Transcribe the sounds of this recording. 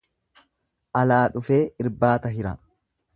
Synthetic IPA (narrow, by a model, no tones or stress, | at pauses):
ʔɐlaːᶑʊfe̞ːɪɾbaːt̪ɐɦɪɾɐ